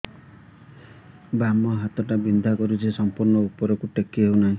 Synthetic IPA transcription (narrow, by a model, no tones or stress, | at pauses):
bamɔɦat̪ɔʈabind̪ʱakɔɾusʰisɔmpuɾnɔupɔɾɔkuʈekːiɦewnaɦĩ